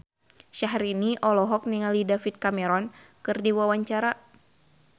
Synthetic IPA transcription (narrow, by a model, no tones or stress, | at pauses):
ʃaɦɾiniʔɔlɔɦɔk̚niŋalidafit̪̚kamɛɾɔnkɨrdiwawaɲt͡ʃaɾa